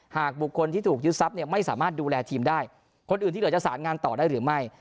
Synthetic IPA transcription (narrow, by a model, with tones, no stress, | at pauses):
haː˨˩k̚bu˨˩kʰːo˧nt̪iː˥˩t̪ʰuː˨˩k̚t͡ɕɯ˦˥t̪̚sa˦˥p̚ni˥˩ɐma˥˩jsaː˩˦maː˥˩t̪̚duː˧lɛː˧t̪ʰiː˧mdaː˥˩j | kʰo˧nʔɯː˨˩nt̪iː˥˩˦t͡ɕa˨˩saː˩˦nŋaː˧nt̪ɔː˨˩daː˥˩jɾɯː˩˦ma˥˩j